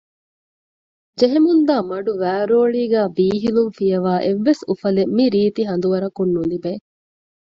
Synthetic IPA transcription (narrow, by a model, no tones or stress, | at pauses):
d͡ʒeɦemund̪aːmɐɖuʋæːɾoːɭiːɡæːbiːɦilunfijɐʋaːʔeʋːesufɐlemiɾiːt̪iɦɐnd̪uʋɐɾɐkunːunlibeː